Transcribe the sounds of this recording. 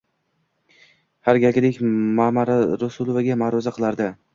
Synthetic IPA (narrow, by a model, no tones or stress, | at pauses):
haɾɡʲaɡʲlɪkʲmamaɾaɾʊsʊlˠovaɡʲamaɾɒzaqʰɨlˠaɾd̪ɪ